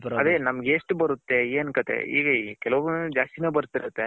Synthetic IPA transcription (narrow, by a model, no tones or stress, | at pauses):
ɐd̪eːnɐmɐɡeʂʈbɐɾut̪ːeeːnkɐt̪ḛiːɡɐikɛlɐʋɐnd͡ʒaːst̪inebɐɾt̪ːiɾɐt̪ːe